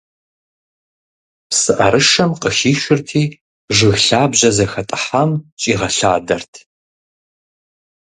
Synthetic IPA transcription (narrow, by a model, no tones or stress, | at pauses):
psɨʔɐɾɨʂɐmqəxiːʃɪrtʰiː | ʐɨɣɬaːbʑɐzɐxɐtʼɨ̥ħamt͡ʃʼiːʁɐɬa̰ːdɐrtʰ